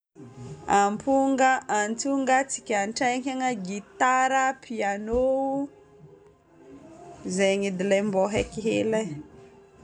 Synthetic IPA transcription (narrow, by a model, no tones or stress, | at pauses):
ampuŋɡaʔant̪uŋɡat͡si̥kʲanʈ͡ʂajŋkʲaŋaɡit̪aɾəpʰiano | zeŋid̪ilembɔɦekiɦela